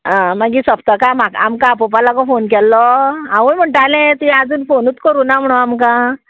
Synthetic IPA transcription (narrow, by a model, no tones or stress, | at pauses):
ãmaɡiːsəpt̪əkamaka̰mkãpɔpalakɔfonkɛlːɔaʋujm̤əɳʈalɛ̃t̪ad͡zuːnfonuːt̪kəɾuːnam̤əɽ̃uamkã